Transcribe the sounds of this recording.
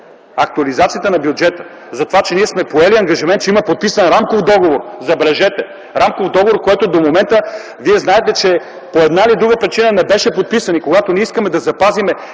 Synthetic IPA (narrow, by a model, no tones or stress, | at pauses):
ɐk̚t̪uɐlizat̪sijət̪ənɐbjud͡ʒɛt̪ə̥ | zɐt̪ovat͡ʃɛniɛsmɛpoɛliɐŋɡɐʒimɛnt̪t͡ʃɛimɐpot̪̚pisənɾamkofd̪ɔɡovoɾzɐbɾɛʒɛt̪ɛ | ɾamkovd̪ɔɡovoɾkoɛt̪od̪omomɛnt̪ə | viɛznaɛt̪ɛt͡ʃɛ | poɛd̪nailid̪ɾuɡəpɾit͡ʃinənɛbɛʃɛpot̪̚pisɐnikoɡat̪oniɛiskɐmɛd̪ɐzɐpazimɛ